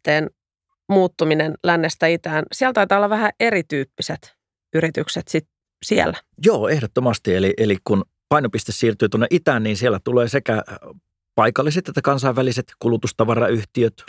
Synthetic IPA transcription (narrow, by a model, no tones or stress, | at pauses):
t̪eːn | muːt̪ːuminenlænːest̪æit̪æːnsiælt̪ɑit̪ɑːolːɑʋæhæʔerit̪yːpːiset̪ | yɾit̪ykset̪sit̪̚ | siæ̰lːæjoːehdot̪ːomɑst̪ieliʔelikkun | pɑinopist̪essiːrt̪yːt̪onːeʔit̪æːnniːnsielːæt̪uleːsekæ | pɑikɑlːiset̪et̪ːækɑnsɑiʋʋæliset̪kulut̪ust̪ɑʋɑrɑyht̪iøt̪